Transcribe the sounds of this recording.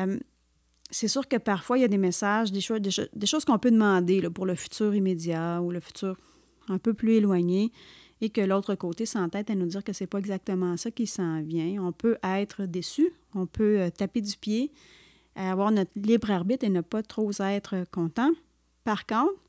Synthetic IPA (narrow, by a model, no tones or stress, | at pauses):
m | sesyːʁkəpaʁfwailjad̪emesaʒd̪eʃod̪eʃod̪eʃoz̥kɔ̃pød̪əmɑ̃d̪elɔpuʁləfy̥t͡s̪yːʁimed͡z̪jauləfy̥t̪yːʁ | ɛ̃pøplyelwaɲeː | kəlot̪χəkot̪esɑ̃t̪ɛːt̪anud͡z̪iːʁkəsɛpɔɛɡzak̚t̪əmɑ̃sakʲisɑ̃vjɛ̃ɔ̃pøʔɛɪt̪χəd̪esy | ɔ̃pʰøøt̪aped̪ypje | aːvwaːʁnɔt̪libʁaʁbit̪enəpat̪χozaɛt̪χəkɔ̃t̪ɑ̃ | paʁkɔ̃t̪χ